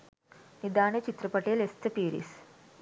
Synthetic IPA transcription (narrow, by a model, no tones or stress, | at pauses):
nid̪aːɳet͡ʃit̪ɾɐpɐʈeːlest̪ʰɐpiːɾḭs